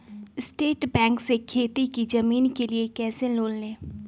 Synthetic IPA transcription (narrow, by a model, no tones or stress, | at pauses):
ɪsʈeːʈbɛ̃ːŋksekʰeːt̪ikid͡ʒɐmiːnkeliekɛːsẽloːllẽː